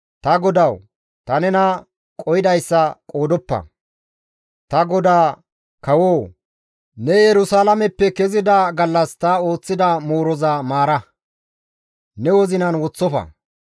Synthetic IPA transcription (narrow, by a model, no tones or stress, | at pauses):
t̪ɐɡɔd̪ɐw | t̪ɐnɛnɐ | kʼɔjɪd̪ɐjsːɐkʼo̞ːd̪ɔpːɐ̰ | t̪ɐɡɔd̪aː | kɐwoː | nɛjɛɾʊsaːlɐmɛpːɛkɛzɪd̪ɐɡɐlːɐst̪ɐo̞ːt͡sːɪd̪ɐmoːɾɔzɐmaːɾɐ | nɛwɔzɪnɐnwɔt͡sːɔfɐ̰